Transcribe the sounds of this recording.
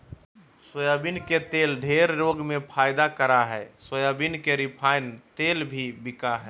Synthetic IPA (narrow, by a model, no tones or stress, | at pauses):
səjabinket̪eːlɖʱeːɾɾoɡmẽpʰaːɪd̪akəɾaɦɛːsəjabinkeɾɪpʰaːɪnt̪eːlbʱibɪkaɦɛː